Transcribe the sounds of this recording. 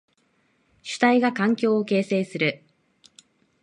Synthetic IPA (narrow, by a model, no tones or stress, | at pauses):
ɕɨ̥t̪aiɡakãŋkʲo̞ːoke̞ːse̞ːsɨɾɯ̟